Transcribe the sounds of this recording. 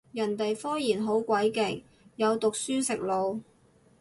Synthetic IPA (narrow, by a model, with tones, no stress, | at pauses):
jɐ˨˩nt̪e˨jfɔː˥jiː˨˩nɦo˨˥wkʷɐ˨˥jkɪ˨˩k̚ | jɐ˨˧wt̪ʊ˨k̚syː˥sɪ˨k̚lo˨˧w